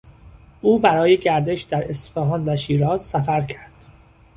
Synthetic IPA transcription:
ʔuːbæɾɒːjeɟæɾd̪e̞ʃd̪æɾe̞st̪fæːɦɒːnvæʃiːɾɒːzsæfæɾcʰæɾd̪̥

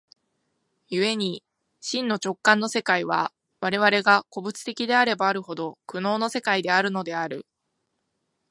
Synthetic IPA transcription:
jɯ̟e̞ɲ̟i | ɕĩnːo̞t͡ɕo̞kːãnːo̞se̞kaiβ̞a | βaɾe̞β̞aɾe̞ɡako̞bɯ̟t͡sɨ̥t̪e̞kʲid̪e̞aɾe̞baːɾɯ̟ho̞d̪o̞kɯ̟no̞ːno̞se̞kaid̪e̞aɾɯ̟no̞d̪e̞aɾɯ̟̰

